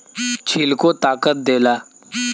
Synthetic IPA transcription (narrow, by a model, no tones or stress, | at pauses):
t͡ʃʰiːlkot̪aːkət̪̚d̪eːlaː